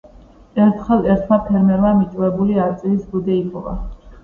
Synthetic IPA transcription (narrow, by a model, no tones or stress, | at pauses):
ɛɾt̪ʰχɛlˠɛɾt̪ʰmapʰɛɾmɛɾmamit͡ʃ̪ʼwɛbuliaɾt̪sʼilisbud̪ɛipʰʼɔva